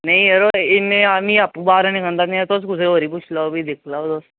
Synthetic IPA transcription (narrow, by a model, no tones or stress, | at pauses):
naiəɾoeneamiapbaɾaɽ̃ikə̃nd̪at̪naat̪oskusɾeʋəɾiːp̬ut͡ʃʰlabʱiːd̪ekʰlaot̪o